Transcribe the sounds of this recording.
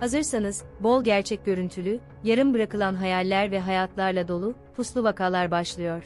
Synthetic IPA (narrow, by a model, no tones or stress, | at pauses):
hazɯɾsanɯzbo̞lˠɟæɾt͡ʃʰɛc̚ɟø̞ɾynt̪ʰylʲy | jaɾɯmbɯɾakɯlˠanɦajalʲːæɾvɛɦajat̪ʰlˠaɾlˠad̪o̞lˠupʰuslˠuvakʰaːlˠaɾbaʃlˠɯjo̞ɾ̥